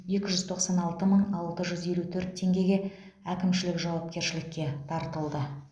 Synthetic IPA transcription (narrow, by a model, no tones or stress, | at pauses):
je̞kʲɪʒʏzt̪ʰo̞qsɑnɑlˠt̪əməɴɑlˠt̪əʒʏze̞lut̪ʰɵɾt̪ʰːe̞ŋɡʲe̞ɡʲe̞ | ækʲɪmʃɪlɪkʒɑwɑp̚kʲe̞ɾʃɪlɪkʲːe̞t̪ʰɑɾt̪əlˠd̪ə